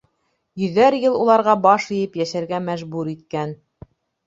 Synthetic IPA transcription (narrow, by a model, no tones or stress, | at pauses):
jɵ̆ðːæɾjɤlˠulˠɑɾʁɑbɑʃɤ̆jɘpjæʃæɾɡæmæʒbuɾit̪̚kæn